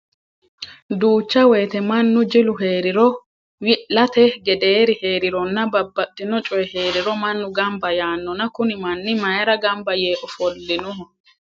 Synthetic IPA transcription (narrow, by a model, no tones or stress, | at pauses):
d̪uːt͡ʃːɐwɛjt̪ɛmɐnːʊd͡ʒɪlʊɦeːɾɪɾɔ | wɪlɐt̪ɛɡɛd̪eːɾɪhe̞ːɾɪɾɔnːɐbɐbːɐt̪ʼːɪnɔt͡ʃʼɔjɛhe̞ːɾɪɾɔmɐnːʊɡɐmbɐjaːnːɔnɐkʊnɪmɐnːɪmɐjɐɾɐɡɐmbɐjeːʔɔfɔlːɪnʊɦɔ